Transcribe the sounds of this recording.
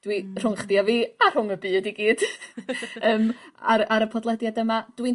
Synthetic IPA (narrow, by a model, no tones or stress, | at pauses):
d̥wir̥ʊŋχdjaviːar̥ʊŋəbɨːdiɡiːd̥ | əːmaɾaɾəpʰɔdlˠɛdjadəmad̥win